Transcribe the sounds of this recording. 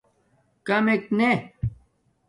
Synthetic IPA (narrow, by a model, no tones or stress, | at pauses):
kɐmekne